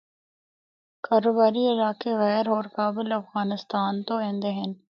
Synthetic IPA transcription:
kaːɾoːbaːɾiɪlaːkeɣɛːɾɦɔːɾkaːbɪlɐfɣaːnɪst̪aːnt̪oẽːnd̪eɦɛn

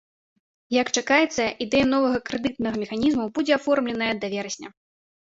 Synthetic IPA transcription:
jɐkt͡ʂakajɛt̪sːɐʔid̪ɛjɐn̪ɔvɐɣɐkɾɛd̪ɨt̪nɐɣɐmʲɛxanʲizmubud͡zʲɛafɔrmlʲɛnɐjɐd̪ɐvʲɛɾɐsʲnʲɐ̰

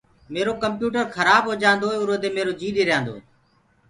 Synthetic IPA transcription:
meːɾoːkəmpjuːʈəɾkʰəɾaːbɦoːd͡ʒãːnd̪oːeʊɾoːd̪eːmeːɾoːd͡ʒiːɗeːɾɪjãːnd̪o̰ː

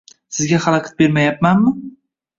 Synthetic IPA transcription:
sɪzɡʲaχaɾˠakʰʲḁt̪̚be̞ɾmajap̚manmɪ

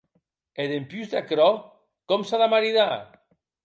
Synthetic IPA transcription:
eðempyzd̪akɾɔ | kɔmsaðamaɾiða

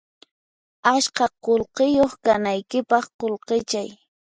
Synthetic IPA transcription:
aʃkɑqolqɪjoχkanajkɪpɑχqolqɪt͡ʃaj

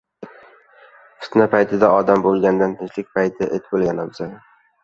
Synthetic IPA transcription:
fʰɪ̥t̪napʰajt̪ʰɪd̪aɒd̪ambolˠɡʲand̪ant̪ʰɪnt͡ʃlɪk̚ʲpʰajt̪ʰɪʔet̪ʰbolˠɡʲanabɪza

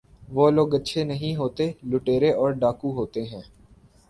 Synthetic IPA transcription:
ʋoːloːɡətːʃʰenəɦĩɦoːt̪eːlʊʈeːɾeʔɔːɾɖaːkuɦoːt̪eɦɛ̃ː

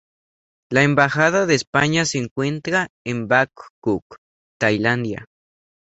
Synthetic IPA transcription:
laembaxaðaðeːspaɲaseːŋkwent̪ɾaembakːuk | t̪ajland̪ja̰

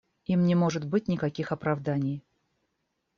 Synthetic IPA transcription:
imnʲɪmo̞ʐɨt̪bɨt̚ʲnʲɪkɐkʲixɐpɾɐvd̪anʲɪj

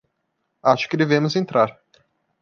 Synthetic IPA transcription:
aʃʊ̥kɪd̪evẽmʊzẽnt̪ɾaɾ

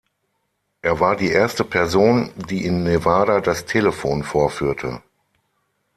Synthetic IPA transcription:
ʔeːɐvaːɐdiːʔeːɐstəpʰɛɐzoːndiːʔɪnːevaːdadastʰeːləfoːnfoːɐfyːɐtʰə̰

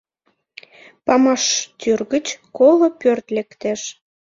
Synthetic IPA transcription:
pɑmɑʃt̪yrɣət͡ɕkolopørt̪lekt̪eʃ

